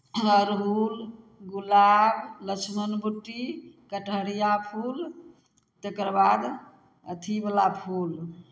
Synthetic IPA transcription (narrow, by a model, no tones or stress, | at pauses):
əɾɦul | ɡulablət͡ʃʰmənbuʈːikəʈʰəɽijapʰul | t̪ekɾbad̪ | ət̪ʰibəlapʰul